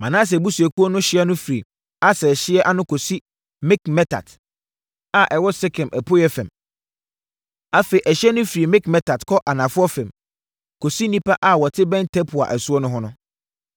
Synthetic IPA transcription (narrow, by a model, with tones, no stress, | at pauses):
mã˨nã˦s̬ɛ˨bu˦su˨æ˨kʰu˦ɔ˦nʊ̃˦ɕɪ˦ɛ˦nʊ̃˦fi˨ | a˦sɛ˨ɕɪ˦ɛ˦ʔa˦nʊ̃˦kʰo˨si˦ | mɪ̃˦kmɛ˦tʰa̰˨d | a˦ʔɛ˨wɔ˦sɛ˦kʰɛ̃˨mʔæ˨pʰo˦jɛ˦fɛ̃˨m | a˦fe˨i˨ʔæ˨ɕɛ˦nʊ̃˦fi˨ɾi˨mɪ̃˦kmɛ˦tʰa˨dkʰɔ˦ʔa˨nã˨fʊ˦ɔ˦fɛ̃˨m | kʰo˨si˦nĩ˦pa˦ʔa˨wɔ˨tʰɪ˦bɛ̃˦ntʰɛ˦pʰʊ˨a̰˨ʔæ˨su˦ɔ˦nʊ̃˦ɦɔ̃˦nʊ̃˦